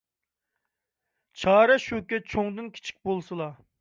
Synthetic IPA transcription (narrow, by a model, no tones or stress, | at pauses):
t͡ʃʰɑːɾɛʃukʲɛt͡ʃʰoŋd̪ɨnkʲʰe̥t͡ʃʰi̥k̚ʲbolˠsɨlˠɑ